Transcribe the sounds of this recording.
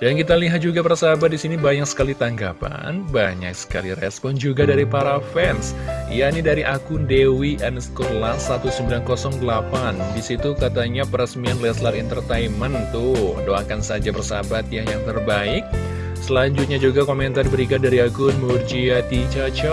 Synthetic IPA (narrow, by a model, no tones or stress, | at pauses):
dankit̪aliɦat̪̚d͡ʒuɡapərsabat̪̚disinibaɲak̚sə̥kalit̪aŋɡapa̰nbaɲa̰k̚sə̥ka̰liɾɛ̰spɔnd͡ʒuɡadaɾipaɾafɛnsjanidaɾiʔakʊndewiʔanskolasat̪usəmbilankɔsɔŋdəlapandisit̪ukat̪aɲapəɾəsmianlɛslaɾint̪ərt̪ajmənt̪ʊhdoakansad͡ʒapərsa̰bat̪̚jahjaŋt̪ərbaɪk̚ | səlaɲd͡ʒut̪̚ɲad͡ʒuɡakomɛnt̪aribəɾikat̪̚daɾiakʊnmurd͡ʒiat̪it͡ʃat͡ʃə